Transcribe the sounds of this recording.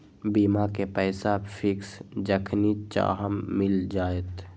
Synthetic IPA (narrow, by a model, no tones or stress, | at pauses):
biːmakepɛːsapʰɪksd͡ʒəkʰnit͡ʃa̰ːɦəmːɪld͡ʒaːet̪